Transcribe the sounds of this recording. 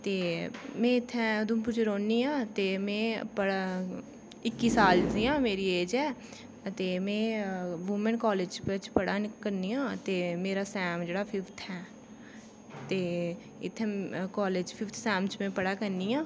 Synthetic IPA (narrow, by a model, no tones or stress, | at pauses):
t̪eːmɛ̃ːɪt̪ʰːɛ̃ːd̪ũːpʊd͡ʒɾoːniːãːt̪eːmɛ̃ːpəɽ | ɪkːiːsaːld͡ʒiːjãːmeːɾiːeːd͡ʒɛː | ət̪eːmɛ̃ːʋuːmɛ̃ːɳkɔːleːd͡ʒpet͡ʃpəɽaːnkəɾniːjãːət̪eːmeːɾaːsɛːmd͡ʒeːɽaːpʰɪfʰt̪ʰɛː | t̪eː | ɪ̰t̪ʰːɛ̃ːkɔːleːd͡ʒpʰɪft̪ʰsɛːmt͡ʃmẽːpəɽaːkəɾniːjãː